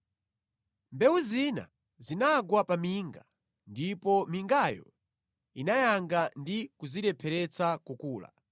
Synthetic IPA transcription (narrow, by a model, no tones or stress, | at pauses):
mbɛuzina̰ | zinaɡwapamiːŋɡa | ndipɔmiŋɡajɔ̰ | inajaŋɡandikuziɾɛpʰɛɾɛt͡sakukuːla̰